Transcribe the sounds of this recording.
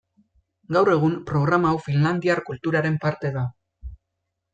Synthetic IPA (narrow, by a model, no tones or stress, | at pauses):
ɡawre̞ɣ̞umpɾo̞ɣ̞ɾamaːwfinland̪iaɾkult̪uɾaɾe̞mpaɾt̪e̞ða